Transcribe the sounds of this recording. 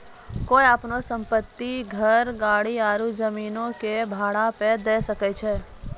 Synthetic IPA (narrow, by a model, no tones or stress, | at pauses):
koːiapnosə̃mpət̪ːiɡʱəɾɡaːɽiaːɾuzəmiːnõkebʱaːɽaped̪eːsəkɛt͡ʃʰɛː